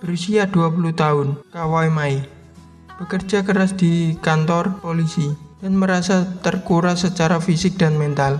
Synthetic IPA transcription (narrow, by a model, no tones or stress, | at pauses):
b̥əɾusiad̪̥uapuluht̪aʊnkawaemae | b̥əkərd͡ʒakəɾasd̪̥ikant̪ɔrpolisid̥anməɾasat̪ərkuɾasət͡ʃaɾafisɪk̚d̪̥anmɛnt̪al